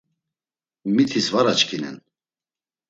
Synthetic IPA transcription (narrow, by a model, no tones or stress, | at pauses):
mit̪ʰisvaɾat͡ʃkʰinɛ̰n